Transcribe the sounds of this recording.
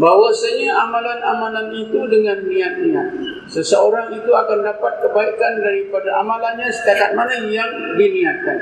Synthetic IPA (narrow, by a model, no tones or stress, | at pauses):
bawasaɲaʔamãlanamãlanit̪udəŋanːiat̪̚nia̰t̪̚ | səsəoɾaŋit̪uakandapat̪̚kəbaikandaɾipadaʔamãlanɲãsə̥t̪ak̪at̪̚manajaŋdiniat̪̚ka̰n